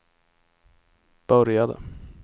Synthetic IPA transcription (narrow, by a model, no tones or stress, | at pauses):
b̥œɾjad̪ə̰